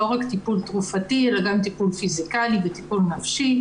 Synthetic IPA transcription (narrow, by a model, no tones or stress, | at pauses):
oʁakt̪ipult̪ʁufat̪ielaɡamt̪ipulfizikalivet̪ipulnafʃi